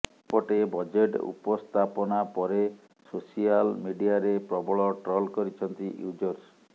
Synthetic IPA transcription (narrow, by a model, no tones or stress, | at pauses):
pɔʈebɔd͡ʒeʈṵpɔst̪ʰapɔnapɔɾe | sosialmiɖiaɾepɾɔbɔɭɔʈɾɔlkɔɾit͡ʃʰɔnt̪iʔjud͡ʒɔɾs